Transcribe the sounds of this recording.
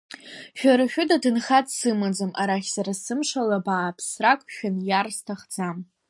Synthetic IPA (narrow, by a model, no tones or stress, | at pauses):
ʃᶣaɾaʃʲᶣʊdadɨnχatʼsɨmad͡zamʔaɾaχʲsaɾasɨmʂalabaːpʰsrakʷʼʃᶣanjarstʰaχd͡zam